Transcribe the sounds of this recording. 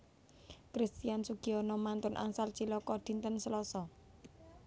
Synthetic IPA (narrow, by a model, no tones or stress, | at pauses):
kɾist̪iansuɡ̥iɔnɔmant̪ʊnʔa̰ŋsalt͡ʃilɔkɔd̪̥i̤nt̪ənsəlɔsɔ